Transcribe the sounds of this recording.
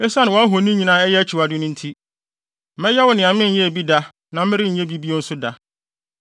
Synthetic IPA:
e˦sa˦nɪ̃˨wɔ˨˦a˦ɦo˨nĩ˦ɲĩ˦nãː˦ɛ˦jɛ˦æ˦t͡ɕʰi˨wa˨dɪ˦nʊ̃˦n̩˦tʰi˦ | m̩˨mɛ̃˦jɛ˦wɔ˨nɪ̃˨ã˨mɪ̃˦ɲ̩˨jɛ˦e˨bi˦da˦ | nã˨˦mɪ̃˦ɾɪ˦ɲ̩˨jɛ˦bi˦bi˦o˦n̩˦sʊ˦da˨

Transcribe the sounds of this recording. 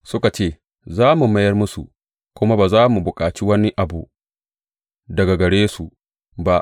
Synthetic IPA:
sʊ˦ka˨t͡ʃeː˦˨ | zaː˦mu˨mɐ˦jɐ˦rmʊ˦sṵ˨ | kʷʊ˦ma˦baː˨zaː˦mu˨bʊ˨kʼaː˨t͡ʃi˦wɐ˦ni˦ʔa˨bu˨ | dɐ˨ɡa˨ɡɐ˨ɽeː˦su˨ | ba˦ʔ

